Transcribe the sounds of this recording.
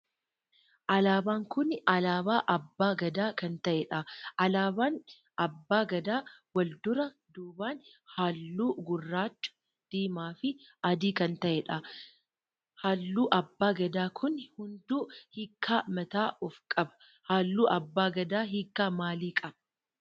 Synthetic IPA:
ʔɐlaːbaːŋkʊnɐlaːbaːʔɐbːaːɡɐd̪aːkɐnt̪ɐʔɛᶑɐʔɐlaːbaːn | ɐbːaːɡɐd̪aːwɐld̪ʊɾɐ | d̪uːbaːn | haːlːuːɡʊrːaːt͡ʃːʊ̥ | d̪̥iːmaːfɪɐd̪iːkɐnt̪ɐʔɛᶑɐ | haːlːuːʔɐbːaːɡɐd̪aːkʰʊnhʊnd̪uːhikʰːaːmɐt̪aːʔɔfkʼɐbɐ̥ | haːlːuːʔɐbːaːɡɐd̪aːɦikːaːmaːliːkʼɐbɐ

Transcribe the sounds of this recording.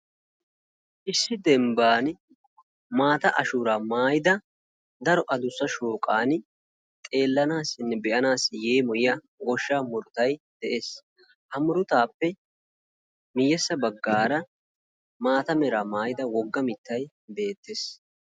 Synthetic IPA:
ʔɪsːɪd̪ɛmbaːn | maːt̪ɐʔɐʃuːɾaːmaːjɪd̪ɐ | d̪ɐɾɔʔɐd̪ʊsːɐʃoːkʼaːn | t̪ʼe̞ːlːɐnaːsɪnːɛbɛʔɐnaːsɪjeːmɔjɪjɐ | ɡɔʃːaːmʊɾʊt̪ɐjd̪̥ɛʔe̞ːs | hɐmʊɾʊt̪aːpːɛ | mɪjːɛsːɐbɐɡːaːɾɐ | maːt̪ɐmɛɾaːmaːjɪd̪ɐwɔɡːɐmɪt̪ːɐj | be̞ːt̪ːeːs

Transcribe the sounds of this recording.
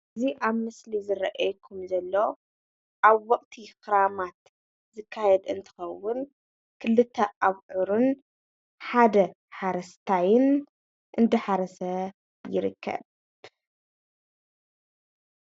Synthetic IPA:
ɨziʔaβmɨslizɨɾɐʔajkʰːumzɐlːo̞ | ʔaβwɔqʼt̪ʰixɨɾamat̪ | zɨkʰːajɛd̪ɨnt̪ʰɨ̥xɐwːʊn | kʰɨlːɨt̪ʰːɐʔaβʕuɾun | ħad̪ɐ | ħaɾɐst̪ʰajɪn | ʔɨnd̪ɨħaɾɐsɐ | jɪɾɨkʰːɐ̰β

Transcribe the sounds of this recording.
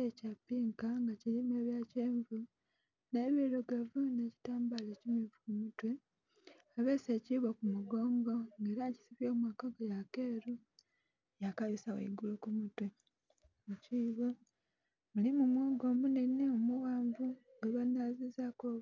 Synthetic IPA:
ecapːiːŋkaŋɡaciɾimeːβjaceːɱvu | ne̞βiɾoɡavune̞ci̥taːmbalecimivukumutwe̞ | aβe̞ːse̞ciβokumuɡo̞ːŋɡo̞ŋɡe̞ːɾaci̥siβjo̞ːmwaːkaɡajake̞ːɾu | jakajusawḛiɡulukumutwe̞ | muciːβo | mulimumweːɡo̞ːmbuneneomuɣaːɱvu | ɡeβanazizako

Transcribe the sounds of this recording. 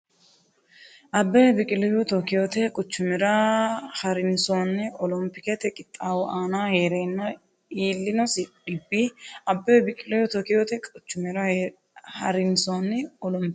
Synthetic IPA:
ʔɐbːɐjbɪkʼɪlɔjut̪ɔkɪjoːt̪ɛkʼʊt͡ʃːʊmɪɾɐhɐɾɪnsoːnːɛɔlɔmpːɪkɛt̪ɛkʼɪt̪ʼːaːwɔʔaːnaːheːɾeːnːɐ | iːlːɪnɔsɪᶑɪbːiʔɐbːɐːbɪkʼɪlɔjɔt̪ɔkɪjoːt̪ɛkʼʊt͡ʃːʊmɪɾɐ | hɐɾɪnsoːnːɛɔlɔmpɪ

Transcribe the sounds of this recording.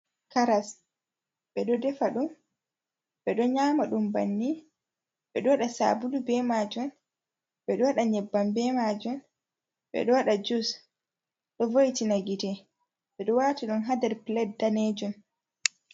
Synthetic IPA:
kaɾas | ɓɛɗɔdɛfaɗum | ɓɛɗɔɲaːmaɗumbanːi | ɓɛɗɔwaɗasa̰bulubɛmaːd͡ʒun | ɓɛɗɔwaɗaɲɛbːambɛmad͡ʒɔn | ɓɛ̰ɗɔwaɗad͡ʒus | ɗɔvojtinaɡitɛ | ɓɛɗɔwaːtiɗɔnɦad̪ɛɾplɛdaned͡ʒɔn

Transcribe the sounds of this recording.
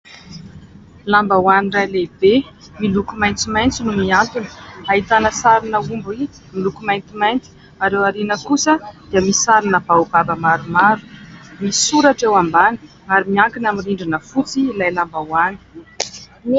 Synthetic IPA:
lambawanirajlebe | milukumajnt͡simajnt͡sinumiant̪unə̥aɦit̪anəsaɾinəumbui | milukumajnt̪imajnt̪i̥ | aɾewaɾinəkusəd̪̥iəmisaɾinəb̥awbabəmaɾumaɾu̥misuɾaʈ͡ʂewambani̥ | aɾimiaŋkinamiriɳɖ͡ʐinəfut͡siːlajlambawani̥

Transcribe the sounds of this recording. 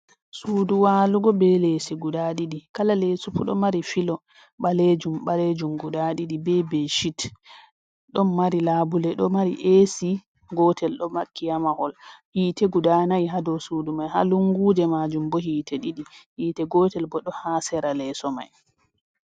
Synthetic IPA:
suːduwaːluɡɔbɛlesiɡudaɗiɗikalalesupuɗɔmaɾifilɔ | ɓaled͡ʒumɓaled͡ʒumɡudaɗiɗibɛbeʃit | ɗɔnmaɾilaːbulɛɗɔmaɾḭʔesi | ɡɔːtʰɛlɗɔmakːijamahɔlhiːtɛɡudanajɦadɔsudumajha̰luŋɡuːdɛmad͡ʒumbɔhiːtʰɛɗiɗihiːtɛɡɔːtɛlbɔɗɔhaːsɛɾalɛsɔma̰j

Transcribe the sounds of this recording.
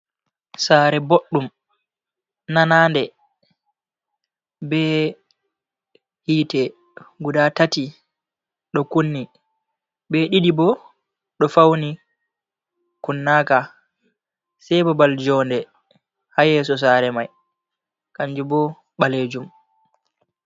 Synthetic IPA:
saːɾɛboɗːum | nanaːndɛ | bɛ | hiːtɛ | ɡudatati | ɗɔkunːi | bɛɗiɗibɔ | ɗɔfawni | kunːaːka | sɛjbɔbald͡ʒɔndɛ | hajɛːs̬ɔs̬aːɾɛmaj | kaɲd͡ʒubɔ | ɓaleːd͡ʒum

